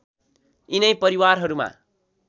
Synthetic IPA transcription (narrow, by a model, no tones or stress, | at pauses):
inʌjpʌɾiwarɦʌɾuma̰